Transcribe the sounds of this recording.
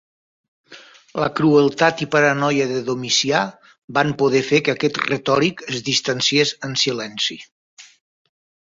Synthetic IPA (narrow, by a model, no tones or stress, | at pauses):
ləkɾuəlˠt̪at̪ipəɾənɔjəðəðomisia | bampoðɛfekəakɛt̪rət̪ɔɾikəzðist̪ansiesənsilɛnsi